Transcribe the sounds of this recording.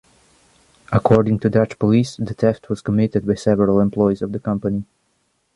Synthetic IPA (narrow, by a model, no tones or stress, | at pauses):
ʔəkʰɔɹɾɪ̃ŋtʰɨdʌt͡ʃpəlisðɨtʰɛft̚ʰwʌz̥kəmɪɾɨd̚baɪsɛvəɹəlˠɛ̃mpʰl̥ɔɪizʌvðəkʰʌ̃mpəni